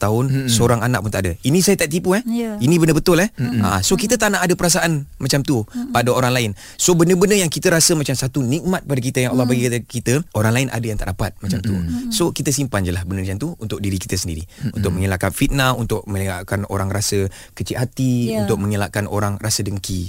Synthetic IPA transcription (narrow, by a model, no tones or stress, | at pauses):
t̪aʊnsəoɾaŋanaʔpunt̪aʔdəinĩsajat̪aʔ̚t̪̬ipuɛhinibəndəbət̪ʊlɛha̰sokit̪ət̪anaʔadəpəɾas̬aʔanmat͡ʃamt̪upadaoɾaŋlaɪn | sobənəbənəjaŋkit̪əɾasəmat͡ʃamsat̪unik̚mat̪̚padak̬it̪əjaŋɑlːɔhbaɡikat̪kit̪əoɾaŋlaɪnʔa̰dəjaŋt̪aʔdapa̰t̪̚mat͡ʃamt̪ṵsokit̪əsimpand͡ʒəlahbənəkt͡ʃamt̪uunt̪ʊk̚diɾiki̥t̪əsəndiɾḭṵnt̪ʊk̚məŋilaʔkanfit̪̚naunt̪ʊʔ̚mə̃la̰ʔkano̰ɾaŋɾasə | kət͡ʃiʔhat̪iunt̪ʊk̚məŋilaʔkanʔo̰ɾaŋrasədəŋki